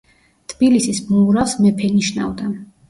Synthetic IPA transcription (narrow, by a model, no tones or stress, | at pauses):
t̪ʰb̥ilisismuuɾasmɛpʰɛniʃna̰vd̪a